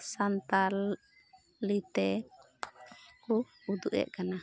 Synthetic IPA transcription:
sant̪al | lit̪ɛ | ku | ud̪uʔɛ̰ʔkana

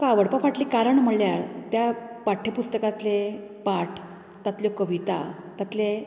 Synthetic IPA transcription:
kaʋəɽpafaʈliːkaɾəɳm̤əɭljaɾt̪japaʈʰːepust̪əkat̪lepaʈʰ | t̪at̪ljokəʋit̪a̰ | t̪at̪le

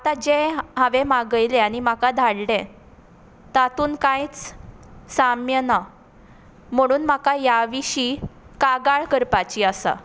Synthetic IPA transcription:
at̪ad͡ʑeɦaʋemaɡəjleaɽ̃imakad̪ʱaɽɽẽ | t̪at̪uːnkãjt͡s | samjəna | m̤əɽ̃uːnmakajaʋiɕiːkaɡaɭkəɾpat͡ɕiːasa̰

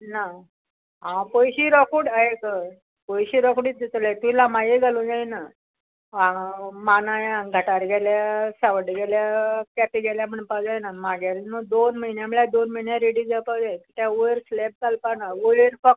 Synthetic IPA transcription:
na | ɦãpojɕiːɾɔkuɽaɦekə | pojɕiːɾɔkuɽiːt̪̚d̪it̪əlajt̪uilamãjeɡalod͡zajna | ãmanajaɡʱəʈaɾɡʱɛljasaʋəɽɡɛljakɛpiɡɛljam̤əɳpawd͡zajnamaɡjaɾnod̪onməɦinjãməɭjad̪onməinjãɾeɽid͡zapad͡zajkit̪jaoɾslɛb̚t̪alpanaʋoɭiɾfək

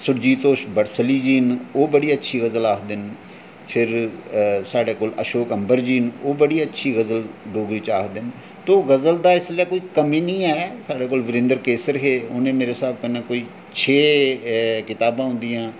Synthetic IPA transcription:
sʊɾd͡ʒiːt̪oːʃbəɽsəliːd͡ʒiːnoːbəɽiːətːʃʰiːɣəzəlaːkʰd̪ɪn | pʰɪɾ | saːɖeːkoːləʃoːkəmbəɾd͡ʒiːnoːbəɽiːətːʃʰiːɣəzəlɖoːɡɾiːt͡ʃaːkd̪ɪn | t̪oːɣəzəld̪aːɪslɛːkoːiːkəmiːnĩːɛːsaːɖeːkoːlʋɪɾɪ̃nd̪əɾkeːsəɾɦeːʊnẽːmeːɾesaːb̚kənẽːkoːiː | t͡ʃʰeː | kɪt̪aːbãːɦʊ̃nd̪ijãː

